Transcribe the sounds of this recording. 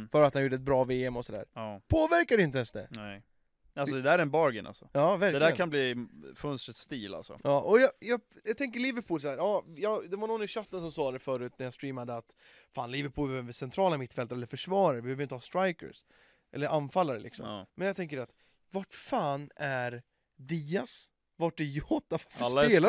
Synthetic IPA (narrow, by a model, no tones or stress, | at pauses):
fœːɾat̪hanjuːɖəɛt̪̚bɾɑːveːɛmɔsɔd̪æ̰ːɾpʰoːvæɾkad̪ɛɪnt̪əɛnsd̪ɛ̰n | alɔd̪ɛd̪æːɾɛnbɑːɾɡə̰na̰lsɔjɑːvæɾdɛd̪æːɾkʰanbliːfɵnst̪ɾət̪st̪iːla̰lsɔ̰ʔɑːʔɔjɑjɑːɡjɑɡt̪ɛŋk̬əɾɭɪvəɾpʰuːlsahæːɾɑːjɑd̪ɛvaɳɔnːɪɕœt̪ːənsɔmsɑːd̪ɛfœːɾʉ̟ːt̪̚næɾjast̪ɾiːmad̪əat̪ | faːnlɪvəɾpʰuːlbɛøvəsɛnt̪ʰɾɑːlamɪt̪ːfɛlt̪aɾɛlːəfœʂvɑːɾaɾvɪbhøvjɪt̪əhɑːst̪ɾajkə̰s | ʔɛ̰lːəɾʔanfalːaɾəlɪ̰ksɔ̰mmɛnjat̪ʰɛŋk̬əɖɛat̪ | vaʈfaːnæɾ | d̪iːas | vaʈ̚ɖɛjɔt̪ːavafalːaeːla